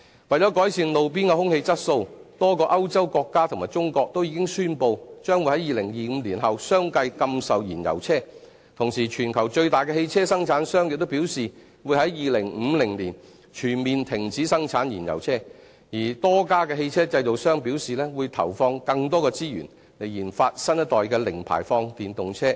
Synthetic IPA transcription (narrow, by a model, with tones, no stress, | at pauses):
wɐ˨jt͡ʃɔ˨˥kɔː˨˥jsiː˨˧nlo˨wp̬iː˥nka˧hʊ˥ŋhe˧jt͡sɐ˥t̚so˧wt̪ɔː˥kɔː˧ʔɐ˥wt͡sɐ˥wkɔː˧kːaː˥t̪ʰmaː˨˩jt͡ʃʊ˥ŋkɔː˧k̚t̪o˥wjiː˨˧kɪ˥ŋsyː˥npo˧wt͡ʃœː˥ŋwu˨˧jhɐ˨˥jiː˨˧lɪ˨˩ŋjiː˨m̩˨˧liː˨˩nɦɐ˨wsœː˥ŋkɐ˧jkɐ˧msɐ˨wjiː˨˩njɐ̰˨˩wt͡sʰɛː˥ | t̪ʰʊ˨˩ŋsiː˨˩t͡ʃʰyː˨˩nkʰɐ˨˩wt͡ʃɵ˧ɥt̪aː˨jkɛ˧he˧jt͡sʰɛː˥sɐ˥ŋt͡sʰaː˨˥nsœː˥ŋjɪ˨k̚t̪o˥wpiː˨˥wsiː˨ | wuː˨˧jhɐ˨˥jːiː˨˧lɪ˨˩ŋm̩˨˧lɪ˨˩ŋliː˨˩n | t͡ʃʰyː˨˩nmiː˨nt̪ʰɪ˨˩ŋt͡siː˨˥sɐ˥ŋt͡sʰaː˨˥njiː˨˩njɐ̰˨˩wt͡sʰɛː˥ | jiː˨˩t̪ɔː˥kaː˥kɛː˧he˧jt͡sʰɛː˥t͡sɐ˧jto˨wsœː˥ŋpiː˨˥wsiː˨lɛː˥wu˨˧jt̪ʰɐ̰˨˩wfɔː˧ŋkɐ˧ŋt̪ɔː˥kɛː˧t͡siː˥jy̰ː˨˩n | le˨˩jiː˨˩nfaː˧t̚sɐ˥njt̪ɔː˨˩jkɛː˧lɪ˨˩ŋpʰa̰ː˨˩jfɔː˧ŋt̪iː˨nt̪ʊ˨ŋt͡sʰɛː˥